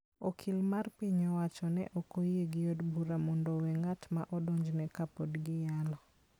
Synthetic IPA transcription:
okʰɪlmarpiɲɔwat͡ʃɔnɛ̰ʔɔkojeɡɪjodbuɾamɔndɔwɛŋatma̰ʔɔdoɲd͡ʒnɛkapɔdɡɪjalɔ

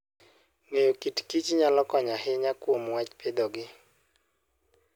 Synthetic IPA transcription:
ŋejokitkit͡ʃɲalɔkɔɲaɦɪɲakwomwat͡ʃpʰed̪oɡɪ

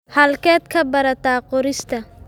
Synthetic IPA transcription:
hɐlkɛːd̪kʰɐbɐɾɐt̪aːqɔɾɪst̪ʰɐ

